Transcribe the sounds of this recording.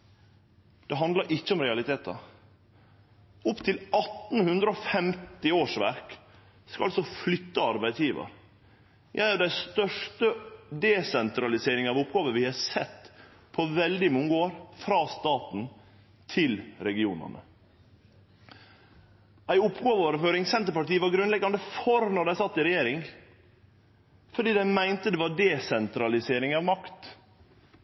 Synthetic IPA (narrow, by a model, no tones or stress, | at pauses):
d̪̥ɛɦɑnd̪ləɾʔɪt͡ʃːəɔmɾɛɑlɪt̪ʰeːt̪ɑ̰ | ʊpt̪ʰɪlɑt̪n̩hʉnd̪ɾəofɛmt̪ɪoːʂʋæ̰ɾk | skɑ̰lsɔflʏt̪ːəɑɾbæɪd̪sjiːʋə̰ɾ | jʔæɪəɖæɪst̪œʂʈəd̪ɛsɛnt̪ɾɑlɪseːɾɪŋɑʋʊpɡɑːʋəʋɪhɑsɛt̪ː | pʰɔʋɛld̪ɪmʊŋɡoːɾfɾɑːst̪ɑːt̪n̩ | t̪ʰɪlɾɛɡɪṵːnə̰ɳə̰ | ʔæɪʊpːɡoːʋəoːɾəføːɾɪŋsɛnt̪əɾpɑʈiːəʋɑɾɡɾʉnlɛɡɑnd̪əfɔɾnɔɾɖ̪æɪsɑt̪ːɪɾɛjeːɾɪŋ | fɔɖiːd̪æɪmæɪnt̪əd̪ɛʋɑɖɛsɛnt̪ɾɑlɪseːɾɪŋɑʋmɑkt̪